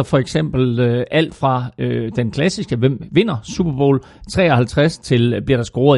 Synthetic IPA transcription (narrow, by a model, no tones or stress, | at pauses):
ɒfɒ̽eɡ̥sem̰b̥l̩ʔæl̰d̥fʁɑ̈ød̥enkʰlæsisɡ̥əʋem̰ʋe̝n̰ɐsub̥ɐb̥o̝̰ːl | t͡sʰʁɛ̰ːɒ̽hælt͡sʰʁast͡sʰe̝lb̥liɐɾ̥ɑ̈sɡ̥oːɐ